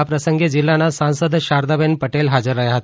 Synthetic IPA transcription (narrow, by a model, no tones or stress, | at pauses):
apɾəsəŋɡed͡ʑilːanasãw̃səd̪ʱɕaɾd̪abenpəʈelɦad͡zəɾːəjaɦat̪